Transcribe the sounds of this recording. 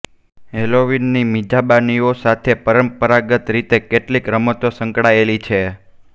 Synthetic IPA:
ɦeloʋinːimid͡ʒʱabaniosat̪ʰepəɾəmpəɾaɡət̪ɾit̪ekeʈlikɾəmət̪osəŋkɽaelit͡ʃʰe

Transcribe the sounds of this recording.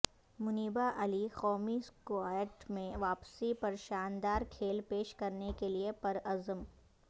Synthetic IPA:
mʊniːbaʔɐlixɔːmiskoaːjəʈmẽʋaːpsipɐɾʃaːnd̪aːɾkʰeːlpeːʃkɐɾnekeliepɐɾɐzəm

